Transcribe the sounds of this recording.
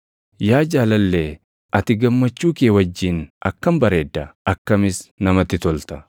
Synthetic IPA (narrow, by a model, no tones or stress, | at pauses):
jaːd͡ʒaːlɐlːeː | ʔɐt̪ɪɡɐmːɐt͡ʃːuːkeːwɐd͡ʒːiːnʔɐkːɐmbɐɾeːd̪ːɐɐkːɐmɪsnɐmɐt̪ːɪt̪ɔlt̪ɐ̥